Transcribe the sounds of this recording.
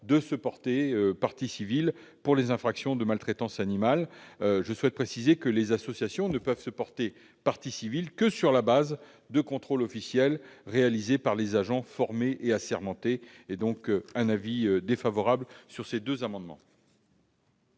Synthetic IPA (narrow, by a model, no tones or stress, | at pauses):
d̪əsəpɔʁt̪eøpaʁt̪isivilpuʁlezɛ̃fχaksjɔ̃d̪əmalt̪χet̪ɑ̃sanimalʒəswɛt̪̚pχesizekəlezasɔsjasjɔ̃nəpœv̥səpɔʁt̪e | paʁt̪isivilkəsyʁlabaz | d̪əkɔ̃t̪χolɔfisjɛlʁealizepaʁlezaʒɑ̃fɔʁmeʔeasɛʁmɑ̃t̪eː | d̪ɔ̃kɛ̃naviød̪efavɔʁablsyʁsed̪øzamɑ̃d̪mɑ̰̃